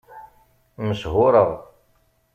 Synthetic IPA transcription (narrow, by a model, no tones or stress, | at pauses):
məsɦʊɾəʁ